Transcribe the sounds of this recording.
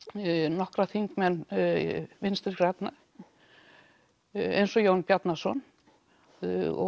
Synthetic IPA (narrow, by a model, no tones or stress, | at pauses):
nɔhkɾaθiŋkmɛnː | vɪnst̪ɪɾkɾat̪na | ḛjnsɔjownpjat̪nasɔn | ɔ̰